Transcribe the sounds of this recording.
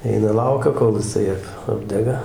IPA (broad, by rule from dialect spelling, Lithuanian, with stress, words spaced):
ˈɛɪnɐ ˈlˠɐʊkʲɛ koːlˠ jɪˈsɐɪ ˈɐp ˈɑːbʲdʲɛɡɐ